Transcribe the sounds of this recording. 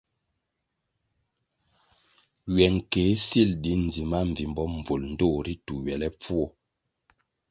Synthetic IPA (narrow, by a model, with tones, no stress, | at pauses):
ɥɛ˨ŋ̩˨ke˨˦si˦˨ldi˨˦n̩˨d͡zi˨ma˦ɱ̩˨vi˨mbɔ˦m̩˨b͡vo˨ln̩˦do˦˨ɾi˦tu˨ɥɛ˨lɛ˦p͡fu˦ɔ˦˨